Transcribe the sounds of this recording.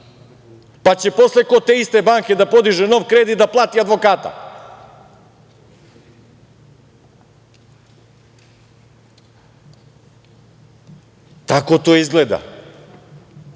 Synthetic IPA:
pat͡ɕepo̞sleko̞t̪eist̪e̞baːŋkʲe̞d̪apo̞d̪iʒeno̞ʋkɾe̞ːd̪id̪aplˠaːt̪iad̪ʋo̞kaːt̪a̰ | t̪ako̞t̪o̞izɡled̪a̰

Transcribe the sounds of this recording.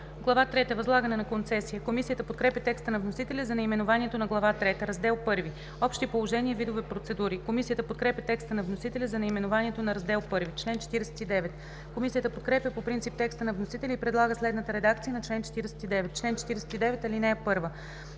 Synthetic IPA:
ɡlˠɐvat̪ɾɛt̪əɛvɐzlˠaɡənɛnɐkont̪sɛsijəkomisijət̪əpot̪̚kɾɛpʲjət̪ɛkst̪ənɐvnosit̪ɛlʲəzɐnɛimɛnovaniɛt̪onɐɡlˠɐvat̪ɾɛt̪əɾɐzd̪ɛlˠpɤɾvi | ɔpʃt̪ipolˠoʒɛnʲiɛvid̪ovɛpɾot̪sɛd̪uɾikomisijət̪əpot̪̚kɾɛpʲjət̪ɛkst̪ənɐvnosit̪ɛlʲəzɐnɛimɛnovaniɛt̪onɐɾɐzd̪ɛlˠpɤɾvit͡ʃlɛnt͡ʃɛ̥t̪iɾɛsɛ̥t̪id̪ɛvɛt̪ | komisijət̪əpot̪̚kɾɛpʲjəpopɾint̪sip̚t̪ɛkst̪ənɐvnosit̪ɛlʲiipɾɛd̪lˠaɡəslɛd̪nət̪əɾɛd̪akt̪ijənɐt͡ʃlɛnt͡ʃɛ̥t̪iɾɛsɛ̥t̪id̪ɛvɛt̪̚ːt͡ʃlɛnt͡ʃɛ̥t̪iɾɛsɛ̥t̪id̪ɛvɛt̪ɐlinɛːpɤɾvə

